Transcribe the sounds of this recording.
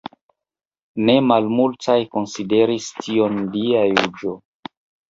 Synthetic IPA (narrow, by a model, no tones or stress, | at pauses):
ne̞malmultajko̞nside̞ɾistʰio̞ndiajud͡ʒo